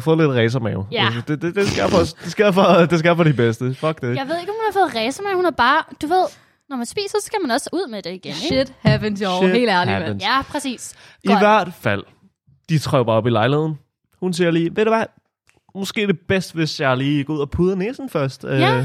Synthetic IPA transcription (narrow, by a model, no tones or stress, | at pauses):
fɔ̽ːle̝d̥ʁɛːs̬ɐmɛʊæd̥ed̥ed̥esɡ̥eɐ̰fɒsd̥e̝sɡ̥e̝ɐ̰fɒd̥e̝s̬ɡe̝ɐ̰fɒɾib̥esd̥əfɒ̽ɡ̥̚d̥ejɑ̈ɪʋe̝ð̞̰ˠe̝ɡɒmhunhɑ̈fɔ̽ð̩ˠʁɛːsɐmæʊhunæɐb̥ɑ̈ːd̥uʋe̝ð̞̰ˠ | nɒmænsb̥ḭːsɐsɒ̥sɡ̥æmænɒ̽suð̞̰ˠmed̥e̝iɡ̥eneed̥hæʋnse̝̰ːlæɐlinjæpʰʁɛsḭːsiʋæɐ̰d̥fæl̰ | d̥it͡sʰʁaʊ̥ɑ̈ːɒ̽b̥ilɑ̈ɪlihe̝ð̰ˠn̩ | hunsiɐliːʋeɾ̥eʋæ | mɔ̽sɡ̥e̝̰ːd̥e̝b̥esd̥ʋe̝sjɑ̈ɪliːɡ̥ɔuð̰ˠɐpʰuð̞ˠɐneːsn̩fɶɐsd̥ø